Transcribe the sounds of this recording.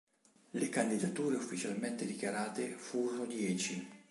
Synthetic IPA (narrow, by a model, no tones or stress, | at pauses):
lekand̪id̪at̪uːɾeufːit͡ʃalment̪ed̪ikjaɾaːt̪efuːɾonod̪jɛːt͡ʃi